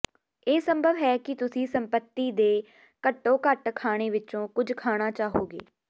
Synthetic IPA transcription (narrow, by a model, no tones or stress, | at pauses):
eːsəmbʱəʋɦɛːkɪt̪ʊsĩːsəmpət̪ːiːd̪eː | kəʈːõːkəʈkʰaːɽ̃eːʋɪt͡ʃõːkʊd͡ʒkʰaːɽ̃aːt͡ʃaːɦoːɡḛː